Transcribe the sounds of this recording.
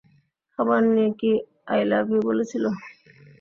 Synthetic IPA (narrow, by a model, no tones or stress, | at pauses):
kɔbaɾnieki | ajlabibolet͡ɕʰilo